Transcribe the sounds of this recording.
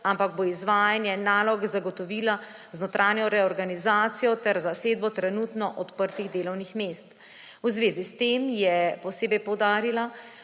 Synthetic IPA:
ampaɡ̚boizʋaːjanjɛnaːlɔɡzaɡɔt̪ɔʋiːlaznot̪ɾʔaːnjɔɾɛɔɾɡanizaːt̪sijɔt̪ɛɾzaseːd̪̚bɔt̪ɾɛnuːt̪nɔʔɔt̪pəɾt̪iɣd̪eːlɔwnixmeːst̪ | uzʋeːzist̪emjɛpɔseːbɛjpɔwd̪aːɾila

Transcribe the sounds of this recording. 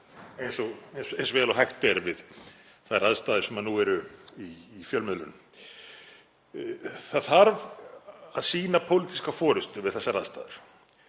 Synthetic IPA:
ejnsɔɣensejnsɔvɛːlawɦajxt̪ɛɾvɪð | θaɾaðst̪aːðɪɾ̥sɛmanuɛɾʏiːfjœlmɪðlʏ̰n | θaðθaɾv | aðsiːnapʰowlɪt̪i̥skafɔːɾʏst̪ʏvɪðθɛsːaɾa̰ðst̪a̰ːðɪɾ̥

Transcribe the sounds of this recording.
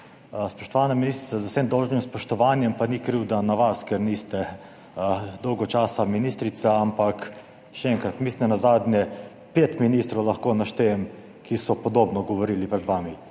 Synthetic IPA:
spɔʃt̪ɔʋaːnaminist̪ɾit̪azusemd̪ɔwʒnimspɔʃt̪ɔʋaːnjɛmpanikɾiwd̪anaʋaskɛɾnist̪ɛ | d̪ɔwɡɔt͡ʃaːsaminiːst̪ɾit̪saampak | ʃɛɛŋkɾat̪misnnazaːd̪nʲjɛ | peːt̪miniːst̪ɾɔwlaxkoːnaʃt̪ejɛm | kʰisɔpɔd̪oːbnɔɡɔʋɔɾiːlipɾɛd̪ʋaːmi

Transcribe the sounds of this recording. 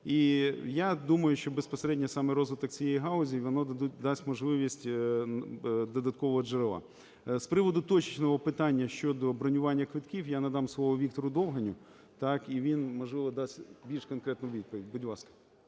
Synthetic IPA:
ijad̪umɐjʊʃt͡ʃɔbespɔseɾɛdʲnʲɐsɑmɛɾɔzʋɪt̪ɔkt͡sʲijejiɦɑlˠɔzʲiʋɔnɔd̪ɐd̪utʲd̪ɑsʲtʲmɔʒlˠɪʋʲisʲtʲ | d̪ɔd̪ɐt̪̚kɔʋɔɦɔd͡ʒeɾɪʋˠɑ̰ | spɾɪʋɔd̪ʊt̪ɔt͡ʃi̥t͡ʃnɔɦɔpɪt̪ɑnʲːɐʃt͡ʃɔd̪ɔbɾɔnʲʊʋɑnʲːɐkʋɪt̪kʲiwjanɐd̪ɑmslˠɔʋɔʋʲikt̪ɔɾʊd̪ɔwɦɐnʲʊ | t̪ɑkiʋʲinmɔʒlˠɪʋɔd̪ɑsʲtʲbʲilʲʃkɔnkɾɛt̪nɔʋʲid̪̚pɔʋʲidʲbʊdʲlˠɑskɐ̥

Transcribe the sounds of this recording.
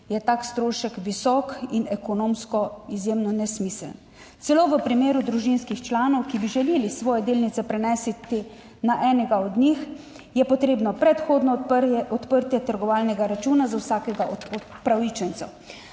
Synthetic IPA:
jɛt̪aːkst̪ɾoːʃɛkʋisɔːkinɛkɔnoːmskɔizjemnɔnɛsmiːsəln | sɛloːʋəpɾimeːɾud̪ɾuʒinskixt͡ʃlaːnɔwkibiʒɛleːlisʋɔːjɛd̪eːlnit̪sɛpɾɛnɛːsit̪i | naʔɛːnɛɡaɔd̪nix | jɛpɔt̪ɾeːbnɔpɾɛt̪xoːd̪nɔɔt̪pəɾt̪jɛt̪əɾɡɔʋaːlnɛɡaɾat͡ʃuːnazawsaːkɛɡaʔɔt̪popɾawit͡ʃɛnt̪sɔ̰

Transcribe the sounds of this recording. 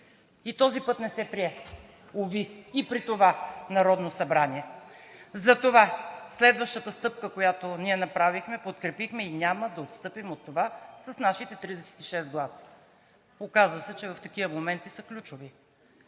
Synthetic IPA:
it̪ɔzipɤt̪nɛsɛpɾiɛ | oviːpɾit̪ovanɐɾɔd̪nosɐbɾaniɛ | zɐt̪ovaslɛd̪vəʃt̪ət̪əst̪ɤp̚kəkojat̪oniɛnɐpɾavixmɛpot̪kɾɛpixmɛinʲaməd̪ɐot̪st̪ɤpimot̪ːovasɐsnaʃit̪ɛt̪ɾid̪ɛsɛ̥t̪i̥ʃɛsɡlˠasə̥ | okazvəsɛt͡ʃɛvɐft̪ɐk̟ivəmomɛnt̪isəklʲut͡ʃʊvi

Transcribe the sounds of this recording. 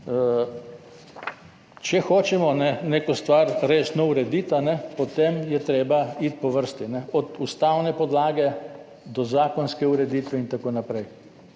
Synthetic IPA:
t͡ʃɛxoːt͡ʃɛmɔnɛneːkɔst̪ʋaɾɾeːsnɔuɾɛd̪iːt̪anɛpɔt̪emjɛt̪ɾeːbait̪̚pɔʋəɾst̪inɛɔd̪ust̪awnɛpɔd̪laːɡɛ | d̪ɔzaːkɔnskɛuɾɛd̪iːt̪ʋɛint̪akoːnapɾɛj

